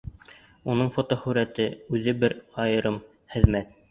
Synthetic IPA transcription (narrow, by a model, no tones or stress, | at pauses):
unɤɴfot̪ohʉɾæt̪ɘʉðɘbɘɾɑjɤ̆ɾɤm | χɘ̆ðmæt̪̚